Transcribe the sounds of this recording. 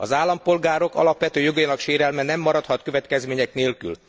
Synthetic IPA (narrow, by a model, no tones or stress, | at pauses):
ɒzaːlːɒmpo̞lɡaːɾo̞kɒ̰lɒpʋɛt̪øːjo̞ɡɒjinɒkʃeːɾɛlmɛnɛmːɒɾɒt̪hɒt̪kø̞vɛt̪kɛzmeːɲɛkneːlky̰l